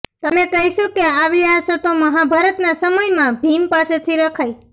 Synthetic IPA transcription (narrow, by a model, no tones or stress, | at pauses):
t̪əmekəɦiʃõkeaʋiasot̪oməɦabʱaɾət̪nasəməjmãbʱimpaset̪ʰiɾəkʰaj